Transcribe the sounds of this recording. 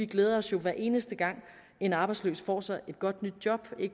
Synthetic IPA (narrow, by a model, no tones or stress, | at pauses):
iɡ̥leːð̞ˠɐɒ̽sjo̝ʋæɐʔe̝ːnəsd̥əɡ̥ɑ̈ŋ̰ | e̝nɑ̈ːb̥ɑ̈ɪd̥slø̰ːsfɒ̰ːsɑ̈ɪe̝d̥ɡ̥ɒ̽d̥nyd̥̚jɒ̽b̥e̝ɡ